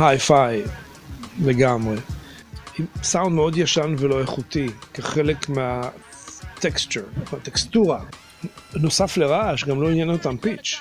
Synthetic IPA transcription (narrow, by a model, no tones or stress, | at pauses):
hajfaj | leɡamʁe | imsawnd̪meo̞d̪jaʃanvelo̞eχut̪ikeχelekmea | t̪ekst͡ʃuʁmeat̪ekst̪uʁa | no̞safleʁaʃɡamlo̞injenot̪ampit͡ʃ